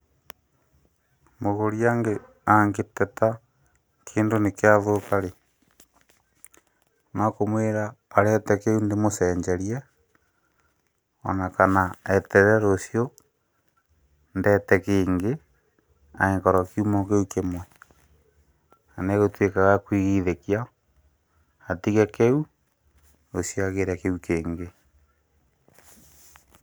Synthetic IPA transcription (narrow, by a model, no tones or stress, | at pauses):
moɣoɾiaŋɡe | aŋɡetɛta | kʰeːndonekeaðokaɾe | nakomweɾaːɾɛtɛkeundemosɛɲd͡ʒɛɾjɛ | o̰nakanaɛtɛɾɛɾosio | ndɛtɛkeːŋɡe | a̰eŋkɔɾɔkiumɔkeukemwɛ | aneɣotwekaɣakwiɣiðekia | atiɣakeu | ɾosjaɣeɾakeukeːŋɡe